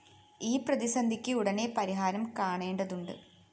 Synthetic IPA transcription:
iːprɐðisɐnd̪ʱikʲːɨuɽɐnepɐɾiɦaːɾɐmkaːɳe̞ːɳɖɐðuɳɖɨ̰

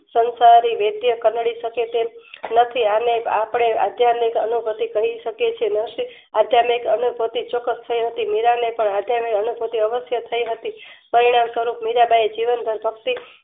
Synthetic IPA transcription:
sənsaɾiʋed̪jəkənɭiʃəket̪enət̪ʰianeapɳea̰d̪jamikə̰nubʱət̪ikəɦiʃəket͡ʃʰenəʃi | ad̪ʱjamikənubʱət̪it͡ʃɔkːəst̪ʰəiɦət̪imiɾanepəɳad̪ʱjamikənubʱot̪iəʋəsjət̪ʰəiɦət̪ipəɾiɽ̃amsəɾupmiɾabaed͡ʒiʋənbʱəɾbʱəkt̪i

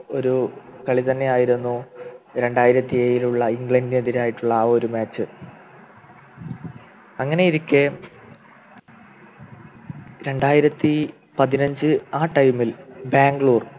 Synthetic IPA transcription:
o̞ɾukɐɭit̪ɐnːe̞aːjiɾunːuɾe̞ɳɖaːjiɾɐt̪ːieːjiluɭːɐiŋɡɭɐɳɖineðiɾaːjiʈːuɭːɐːo̞ɾumaːt͡ɕːɨ | ɐŋːɐne̞iɾikʲːe | ɾe̞ɳɖaːjiɾɐt̪ːi | pɐðinɐɲd͡ʑɨaːʈːɐjmːilbaːŋɡɭuːr

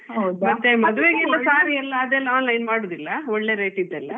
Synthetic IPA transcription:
ɦɐwd̪mɐt̪ːemɐd̪uʋeːɡɛlːɐsaːɾiɛlːɐːd̪ɛlːɐaːnlɐjnmaːɽoːd̪ilːɐɔɭːe̞ːɾejʈid̪ːɛlːɐ

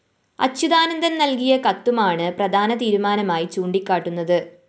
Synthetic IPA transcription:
ɐ̰t͡ɕɕuðaːnɐnd̪ʱɐnnɐlkijɐkɐt̪ːumaːɳɨprɐd̪ʱaːnɐt̪iːɾumaːnɐmaːjit͡ɕuːɳɖikʲːaːʈːunːɐðɨ

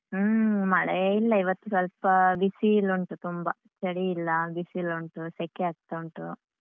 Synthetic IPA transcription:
mɐɭɐilːɐiʋɐt̪ːusɐlpɐbisiluɳʈut̪umbɐ | t͡ʃɐɽiːlːɐbisiluɳʈusekːeaːɡ̚t̪ɐuɳʈu

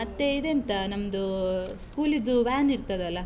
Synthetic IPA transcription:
ɐt̪ːe̞id̪eɐnt̪ɐnɐmːɐd̪uskuːlid̪ːuʋaːniɾt̪ɐd̪eɐlːɐ

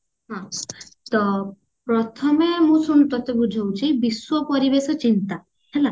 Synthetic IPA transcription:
ɦãt̪ɔ | pɾɔt̪ʰɔmemũsuñut̪ɔt̪ebud͡ʒʱowt͡ʃʰibiswɔpɔɾibesɔt͡ʃint̪a | hela

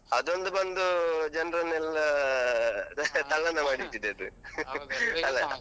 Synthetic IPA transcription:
ɐd̪o̞nd̪ubɐnd̪ud͡ʒɐnrɐnɛlːɐ | t̪ɐɭːɐnːɐmaːɽit̪ːid̪eɐd̪u | ɐlːɐ

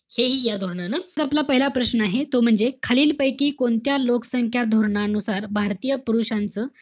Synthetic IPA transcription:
heɦiːjad̪ʱoɾɳanəd͡zaplapəɦilapɾəɕnəaɦet̪om̤əɳd͡zekʰaliːlpəjkiːkoɳt̪jalokə̥səŋkʰjad̪ʱoɾɳaənusaɾbʱaɾt̪iːjəpuɾuʂant͡səː

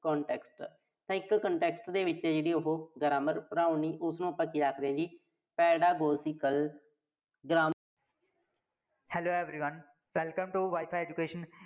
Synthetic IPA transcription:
kɔ̃ːɳʈɛːksʈ | t̪ãːɪkːəɳʈɛːksʈd̪eːʋɪt͡ʃeːd͡ʒeːɽiːʊɦoːɡəɾaːməɾpɾãːʊniːʔʊsnũːpəkiːd͡ʒaːkɾəẽːd͡ʒiː | pɛːɖaːɡoːsiːkəl | ɡɾaː | hɛloːɛʋɾiːʋə̃n | ʋɛlkə̃mʈuʋaːɪpʰajeːd͡ʒukeːʃən

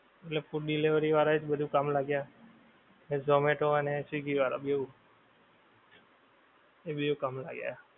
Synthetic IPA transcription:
eʈlepuɾɗileʋəɾiʋaːɾaed͡ʒbəd̪ʱũkamlaɡja | ned͡ʒomeʈoənesiɡiʋaɾa̰beu | ebəd̪ukamla̰ɡja̰a

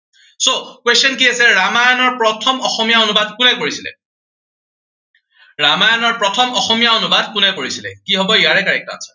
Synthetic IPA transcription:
sokwestɔnkiasɛɹamajɔnɔɹpɹɔtʰɔmɔxɔmijaonubadkunɛkoɹisilɛ̰ | ɹamajɔnɔɹpɹɔtʰɔmɔxɔmijaonubad̚kunɛkoɹisilɛ̰kiɦɔbɔijaɹɛkaɹɛk̚ta̰nsɛ̥

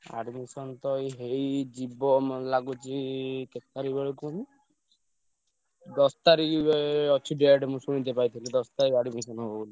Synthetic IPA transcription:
a̰ɖmisɔnt̪ɔjɦejd͡ʒibɔmlaɡut͡ʃʰikekt̪aɾibeɭekun | d̪ɔst̪aɾikɔt͡ʃʰiɖeaɖmũsuɽ̃it̪epajt̪ʰilid̪ɔst̪aɾikaɖmisɔnɦobuli

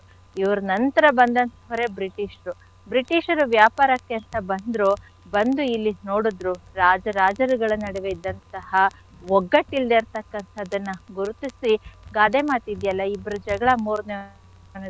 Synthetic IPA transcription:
iʋɐɾunɐnt̪ɐɾɐbɐnd̪ɐnt̪ɐʋɐɾe̞bɾiʈiːʃɐɾu | bɾiʈiːʃɐɾuʋjaːpaːɾɐkːeɐnt̪ɐbɐnd̪ɾu | bɐnd̪uilːino̞ːɽud̪ɾuɾaːd͡ʒɐɾaːd͡ʒɐɾuɡɐɭɐnɐɽeʋeid̪ːɐnt̪ɐhɐ | ʋɔɡːɐʈːild̪eːɾt̪ɐkːɐnt̪ʰɐːd̪ɐnːɐɡuɾut̪isiɡaːd̪emaːt̪id̪jɐlːɐibːɾud͡ʒɐɡɐɭɐmuːɾne | ɐnɐ

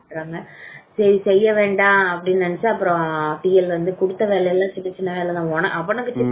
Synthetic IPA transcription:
ʈɾaːŋɡɐsɐɾisɛjːɐʋeːɳɖãːɐpːɐɽɪnːɐnɐt͡ʃːaːɐpːɯɾõpiːɛlʋɐnd̪ɯkʊɽɯt̪ːɐʋeːɭɛjɛlːãːt͡ʃɪnːɐt͡ʃɪnːɐʋeːɭɛt̪ãːɔnɐ̰ʔɐpːɐnɐkːɯt͡ʃːɪ

